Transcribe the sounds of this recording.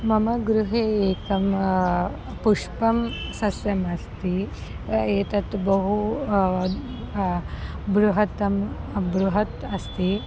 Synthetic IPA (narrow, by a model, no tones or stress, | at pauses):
mɐmɐɡɾuɦeːeːkɐm | puʂpɐmsɐsjɐmɐst̪i | eːt̪ɐt̪bɐɦu | bɾuɦɐt̪ɐmbɾuɦɐt̪ɐst̪i